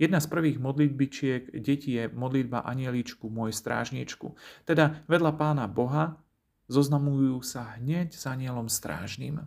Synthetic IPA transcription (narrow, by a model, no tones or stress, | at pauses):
jɛd̪naspr̩ʋiːɣmɔd̪lid̪̚bit͡ʃɪɛɡɟɛcijɛmɔd̪lid̪̚ba̰ʔaɲɪɛlit͡ʃkumʊɔjɛst̪ɾa̰ːʒɲit͡ʃkṵt̪ɛd̪aʋɛd̪ʎapaːnabɔɦa | zɔznamujuːsaɦɲɛɟz̥aɲɪɛlɔmst̪ɾa̰ːʒnḭːm